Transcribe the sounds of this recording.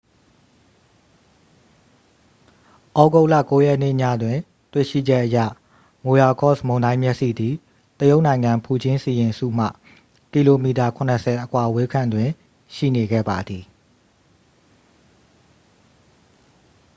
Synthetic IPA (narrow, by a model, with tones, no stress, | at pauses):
ʔɔ˦ɡo˦ʊʔlä̰˦˨ko˨˦jɛ˦ʔn̥ɪ̰˦˨ɲä̰˦˨dwɪ̃˨ | twḛ˦˨ʃḭ˦˨d͡ʑɛ˦ʔəjä̰˦˨ | mo˨ja˨kɔ̰˦˨smõ˨ʊ̃ndã˦mjɛ˦ʔsḭ˦˨d̪i˨ | t̪əjo˦ʊʔnã˨ɪ̃ŋã˨mpʰu˨d͡ʑɪ̃˦si˨jɪ̃˨sṵ˦˨m̥ä̰˦˨ | ki˨lo˨mi˨ta˨kʰʊ̃˨nə˨sʰɛ˨ʔəkʰwa˨we˦kʰã˨ndwɪ̃˨ | ʃḭ˦˨ne˨ɡɛ̰˦˨ba˨d̪ði˨